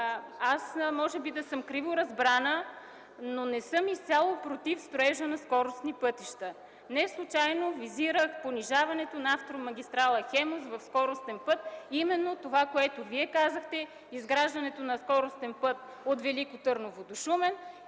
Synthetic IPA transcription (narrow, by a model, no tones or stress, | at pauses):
asmɔʒɛbid̪ɐsɤmkɾivoɾɐzbɾanə | nonɛsɤmist̪sʲalˠopɾot̪ifst̪ɾoɛʒənɐskɔɾost̪nipɤt̪iʃt̪ə | nɛslˠut͡ʃajnoviziɾəxponiʒavɐnɛt̪onɐaft̪ɾomɐɡʲist̪ɾalˠəxɛmosvɐfskɔɾost̪ɛnpɤt̪̚imɛnːot̪ovakoɛt̪oviɛkazəxt̪ɛ | izɡɾaʒd̪ɐnɛt̪onɐskɔɾost̪ɛnpɤt̪̚ | ot̪vɛlikot̪ɤɾnovod̪oʃumɛn